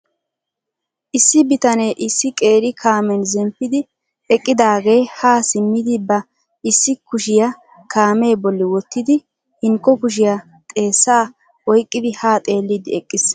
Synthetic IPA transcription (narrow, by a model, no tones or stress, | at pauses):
ʔɪsːɪbɪt̪ɐneːʔɪsːɪkʼe̞ːɾɪkʰaːmɛnzɛmpːɪd̪ɪ | ɛkʼːɪd̪aːɡe̞ːhaːsɪmːɪd̪ɪbɐ | ɪsːɪkʊʃɪjɐ | kʰaːme̞ːbɔlːɪwɔt̪ːɪd̪ɪ | hɪŋkːɔkʊʃ̬ɪjɐ | t̪ʼe̞ːsːaː | wɔjkʼːɪd̪ɪhaːt̪ʼe̞ːlːɪd̪ɪɛkʼːɪs